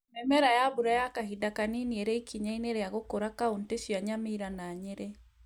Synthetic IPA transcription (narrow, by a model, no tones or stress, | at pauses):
mɛmɛɾajabuɾajakaɦidakaninieɾeikiɲaineɾeaɣokoɾakaontesjaɲamiɾanaɲeɾe